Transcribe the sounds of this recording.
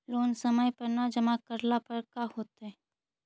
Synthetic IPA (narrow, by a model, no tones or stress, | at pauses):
loːnsəməjpɐɾnad͡ʒɐmakəɾlapɐɾkahoːt̪ɛ